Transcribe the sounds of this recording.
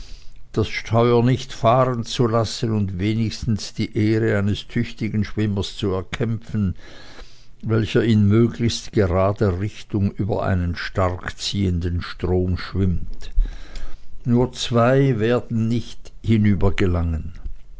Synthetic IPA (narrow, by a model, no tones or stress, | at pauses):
d̥asʃtʰɔʏɐnɪçtfaːʁənt͡sulasənʊntveːnɪçstn̩sd̥iːʔeːʁəaɪnəstʰʏçtɪɡən̩ʃv̥ɪməst͡suɛɐkʰɛmp͡fən̩ | vɛlçɐɪnmøːɡlɪçstɡ̥eʁaːdəʁɪçtʊŋyːbɐ̰ʔa̰ɪnənʃtaʁkt͡siːəndənʃtʁ̥oːmʃv̥ɪmt | nuːɐt͡sv̥aɪveːɐdn̩nɪçthɪnyːbɐɡəlaŋən